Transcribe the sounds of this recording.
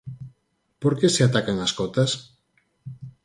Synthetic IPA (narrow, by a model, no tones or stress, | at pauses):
poɾkeseat̪akaŋaskot̪as